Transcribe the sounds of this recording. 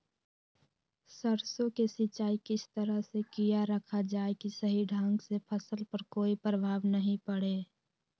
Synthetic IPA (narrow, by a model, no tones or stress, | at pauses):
səɾsõkesɪt͡ʃaːikɪst̪əɾəɦsekijaɾəkʰad͡ʒaːekisəɦiɖʱãːŋɡsepʰəsəlpəɾkoːipɾəbʱaːʋnəɦĩpəɽe